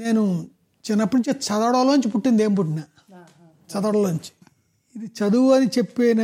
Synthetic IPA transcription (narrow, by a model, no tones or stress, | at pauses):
ne̞ːnu | t͡ʃinːɐpːuuɲt͡ʃet͡ʃɐd̪aɽɐːloːɲt͡ʃip̬uʈːind̪eːmp̬uʈːina | t͡ʃɐd̪ɐːɽɐloːɲt͡ʃi̥ | id̪it͡ʃɐd̪uɐnit͡ʃepːeːnɐ